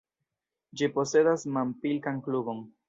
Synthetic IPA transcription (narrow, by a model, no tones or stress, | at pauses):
d͡ʒipo̞se̞dasmampilkaŋklubo̞n